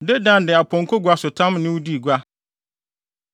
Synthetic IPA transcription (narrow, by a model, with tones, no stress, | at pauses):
de˦dã˦˨ndɪ˨a˨pʰɔ̃˨ŋ̩˨kʰɔ˦ɡʷa˨sʊ˨tʰã˦mnɪ̃˦wu˦di˦˨ɡʷa˦